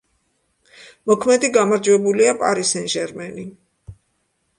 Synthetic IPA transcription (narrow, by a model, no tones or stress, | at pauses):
mɔkʰmɛd̪iɡamaɾd͡ʒwɛbuliapʼa̰ɾisɛnʒɛɾmɛni